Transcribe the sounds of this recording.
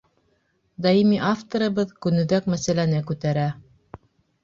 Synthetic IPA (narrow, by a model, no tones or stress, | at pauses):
d̪ɑimiʔaft̪ŏɾɤ̆βɤðkʉnɵ̆ðækmæsælænɘkʉt̪æɾæ